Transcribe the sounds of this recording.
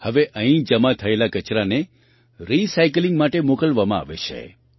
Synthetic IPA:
həʋeʔə̃ɦĩd͡ʒəmat̪ʰəelakət͡ʃɾane | ɾisajk̬lĩŋɡmaʈemokəlʋamãa̰ʋḛt͡ʃʰḛ

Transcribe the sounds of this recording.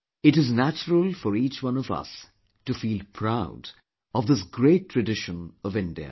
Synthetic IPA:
ɨʈɨznæt͡ʃəɾəlˠfɔɾiːt͡ʃwʌ̃nɔvʌ̰s | tufiːlpʰɹaʊd | ɔvd̪ɪsɡɾeːʈʰːɹɨɖɪʃə̃nʌvɪ̃nɖḭə̰

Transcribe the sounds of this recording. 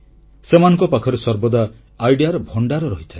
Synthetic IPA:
semanɔ̃ŋkɔpakʰɔɾesɔɾbɔd̪aː | jɖijaɾɔbʱɔɳɖaɾɔɾɔɦit̪ʰae

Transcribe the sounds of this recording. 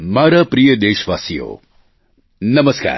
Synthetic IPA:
maːɾapɾijəd̪eːʃʋaːsijo̰ː | nɐməska̰ːɾ

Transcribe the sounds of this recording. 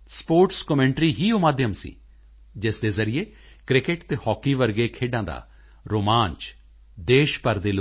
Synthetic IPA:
spoːɾʈskəmɛ̃ːɳʈɾiːɦiːomaːd̪jəmsḭː | d͡ʒɪsd̪eːzəɾɪjeː | kɾɪkɪʈt̪eːhɔːkːiːʋəɾɡeːkʰeːɖãːd̪a̰ː | ɾoːmãːnt͡ʃ | d̪eːʃpəɾd̪eːlo

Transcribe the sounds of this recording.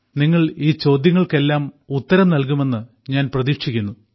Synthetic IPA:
niŋːɐɭiːt͡ɕo̞ːd̪jɐŋːɐɭke̞lːaːm | ut̪ːɐɾɐmnɐlk̬ume̞nːɨ | ɲaːnprɐðikʂikʲːunːu

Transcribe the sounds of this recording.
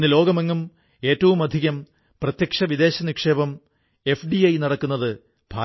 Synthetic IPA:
nːɨlo̞ːɡɐmeŋːɐm | e̞ːtːɐʋumɐd̪ʱiɣɐm | prɐt̪jɐkʂɐʋid̪e̞ːɕɐnikʂe̞ːbɐm | e̞fɖiɐjnɐɽɐkːunːɐðɨ | b̥ʱaː

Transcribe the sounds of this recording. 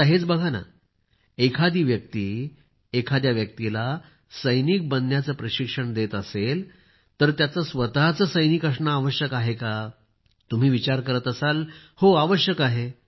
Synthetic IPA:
t̪əɦet͡sbəɡʱana̰ | ekʰad̪iːʋjək̚t̪iː | ekʰad̪jaʋjək̚t̪ila | səjnik̚bənjat͡səːpɾəɕikʂəɳd̪et̪əsel | t̪əɾt̪jat͡səsʋət̪at͡səːsəjniːkəʂɳaːʋəɕjəkaɦeka | t̪um̤iːʋit͡ɕaɾkəɾət̪əsalhoaʋəɕjəkaɦe

